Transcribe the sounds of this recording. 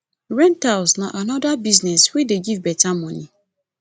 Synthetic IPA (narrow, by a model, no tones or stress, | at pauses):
ɹɛ̃ntalsnãʔanɔdabiznɛswideɡivbɛtʰãmɔ̃nĩ